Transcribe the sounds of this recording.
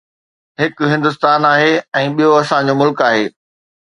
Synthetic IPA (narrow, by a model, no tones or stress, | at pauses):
ɦɪkɦɪ̃nd̪ʊs̬t̪aːnaːɦeɛ̃ːɓijoɐsãd͡ʑomʊlkaːɦeː